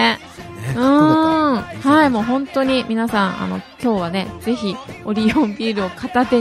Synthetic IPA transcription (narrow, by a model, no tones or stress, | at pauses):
ɯ̃ | haimo̞ːɦõ̞nt̪o̞ɲ̟imʲinasãɰ̃ʔa̰no̞̰kʲo̞ːβane̞z̥e̞çio̞ɾʲiõ̞mbʲiːɾɯ̟o̞kʰat̪at̪e